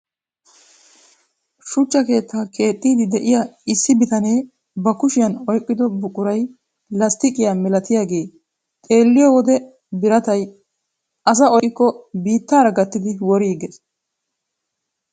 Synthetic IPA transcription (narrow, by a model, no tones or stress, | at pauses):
ʃʊt͡ʃːɐke̞ːt̪ːaːkʰe̞ːt̪ʼːiːd̪ɪd̪ɛʔɪjɐɪsːɪbɪt̪ɐne̞ː | bɐkʊʃɪjɐnɔjkʼːɪd̪ɔbʊkʼːʊɾɐj | lɐst̪ɪkʼɪjamɛlɐt̪ɪjaːɡe̞ː | t̪ʼe̞ːlːɪjɔwɔd̪ɛ | bɪɾɐt̪ɐj | ɐs̬ɐɔjkːɔbiːt̪ːaːɾɐɡɐt̪ːɪd̪ɪwɔɾiːɡɛs